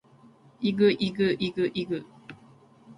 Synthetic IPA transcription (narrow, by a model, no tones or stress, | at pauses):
iɡɯʔiɡɯʔiɡɯʔiɡɯ